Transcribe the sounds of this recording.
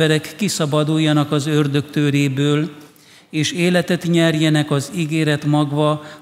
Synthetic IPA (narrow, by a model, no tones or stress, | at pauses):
ɛɾɛkːisɒbɒd̪ujːɒnɒkɒzørd̪ø̞kt̪øːɾeːbøːl | eːʃeːlɛt̪ɛt̪ɲɛrjɛnɛkɒziɡeːɾɛt̪mɒɡvɒ